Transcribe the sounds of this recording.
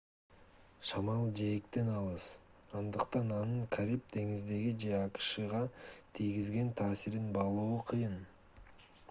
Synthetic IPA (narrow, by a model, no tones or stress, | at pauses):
ʃɑmɑlˠd͡ʒejkt̪e̞nɑlˠɯs | ɑnd̪ɯqt̪ɑnɑnɯɴkʰaɾʲip̚d̪e̞ŋizd̪e̞ɡid͡ʒe̞ɑqɯ̥ʃɯʁɑt̪ʰijɡizɡe̞nt̪ʰɑːsiɾinbɑlˠoːqʰɯjɯn